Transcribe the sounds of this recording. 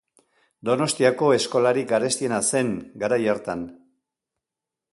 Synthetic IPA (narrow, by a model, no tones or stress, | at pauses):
d̪o̞no̞st̪iako̞e̞sko̞laɾikaɾe̞st̪ie̞nase̞ŋɡaɾajeɾt̪an